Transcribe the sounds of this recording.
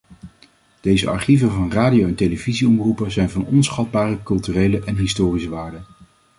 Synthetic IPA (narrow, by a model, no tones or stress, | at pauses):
d̥ejzə̰ɑ̰ɹχivənvɑnraːdijowɛnteləviziɔmrupəzɛjnvɑnɔnsχɑd̚baːrəkɵlˠtyrejləʔɛnɦɪstʊːrisəʋaːɹdən